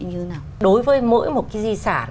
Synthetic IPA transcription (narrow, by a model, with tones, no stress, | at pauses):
ɲɨ˧naː˨˩ɗo˨˦jvəː˨˦jmo̰˧˥jmo˨˩t̚kaː˨˦jzi˧saː˧˩